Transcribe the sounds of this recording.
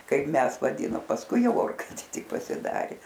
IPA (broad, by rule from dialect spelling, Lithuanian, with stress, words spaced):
ˈkɐɪp ˈmʲɛs ʋɐˈdʲiːnoːm pɐsˈkʊɪ ˈjɛʊ ˈoːrkɐɪtʲeː ˈtʲɪk pɐsʲɪˈdɑːrʲeː